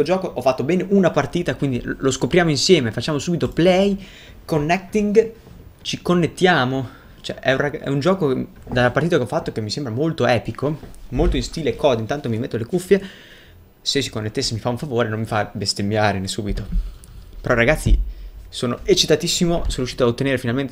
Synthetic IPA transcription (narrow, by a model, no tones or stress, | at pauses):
od͡ʒɔːkoʔɔfːat̪ːobɛːneʔunapart̪iːt̪akwind̪iloskopɾjaːmoinsjɛːmefat͡ʃːaːmosuːbit̪oplɛj | konːɛk̚t̪iŋɡ | t͡ʃikonːet̪ːjaːmo | t͡ʃoɛ̰ʔɛuraɡɛ̰und͡ʒɔːko | d̪alːapart̪iːt̪akeɔfːat̪ːokemːisembɾamolt̪oɛːpikʰomolt̪oinst̪iːleːkʰːɔːd̪eint̪ant̪omimet̪ːolekufːje | sesi̥konːet̪ːesːemifauɱfavoːɾenomːifabest̪emːjaːɾenesuːbit̪o | peɾɔiɾaɡat̪sːḭsoːnoet͡ʃit̪at̪isːimosoːnoɾjuʃiːt̪aot̪ːeneːɾefinalment̪e